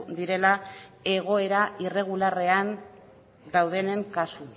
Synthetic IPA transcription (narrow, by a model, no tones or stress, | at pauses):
d̪iɾe̞lae̞ɣ̞o̞e̞ɾaire̞ɣ̞ulare̞an | d̪awð̞e̞ne̞ŋkasu